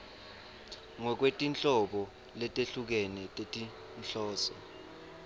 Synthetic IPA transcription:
ŋɔk̬wetʼint͡ɬʼɔɓɔ | lɛtʼeɬuk̬ɛnɛtʼetʼi | nɬɔːsɔ

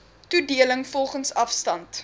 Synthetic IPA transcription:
tudiələŋfɔlˠχənsɐfstɐnt

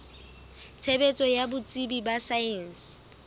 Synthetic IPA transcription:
t͡sʰebet͡sʼɔjabʊt͡sʼibibasaɛns

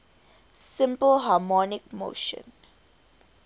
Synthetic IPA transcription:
sɪ̃mpəlɦamɔnɪkmo̰ːʃə̰̃n

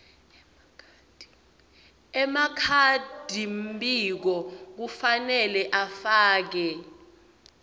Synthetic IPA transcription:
ɛmakʰad̥ʱimbʱik̬ɔk̬ufanɛlɛʔafaːk̬ɛ

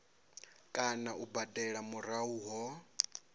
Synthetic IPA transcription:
kʼanaʔubadɛɺamuɾauːɦɔ

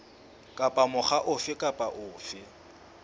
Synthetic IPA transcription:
kʼapʼamʊχaʔʊfɪkʼapʼaʔʊːfɪ

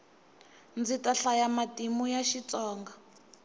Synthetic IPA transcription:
nd͡zitʼaɬajamatʼimujaʃit͡sɔːŋɡa

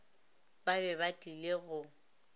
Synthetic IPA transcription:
babɛbatʼileɣʊ

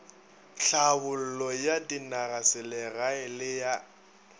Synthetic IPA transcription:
ɬabʊl̩lɔjadinarasɪlɛraɪlɪja

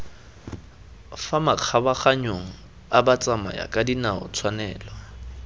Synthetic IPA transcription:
famaq͡χʰabaχaɲoŋ̩ | abat͡sʼama̰ja̰kʼadinaʊ̰t͡sʰwanɛːla

